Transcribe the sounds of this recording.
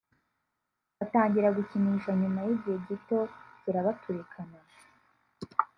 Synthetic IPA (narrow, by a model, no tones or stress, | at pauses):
βataːɲɟiɾaɡuciniːʃaɲumajibɟiheɟito̞z̥iɾaβatʰuɾekʰana